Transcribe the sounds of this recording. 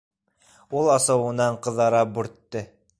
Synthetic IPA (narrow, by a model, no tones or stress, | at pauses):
ulˠɑsɤ̆wɤ̆nɑɴqɤ̆ðɑɾɑp̚bʉɾt̪ːɘ